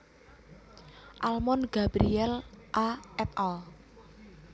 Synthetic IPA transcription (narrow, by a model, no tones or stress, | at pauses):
ʔalmɔnɡ̥abɾiɛlʔaʔɛt̪̚ɔ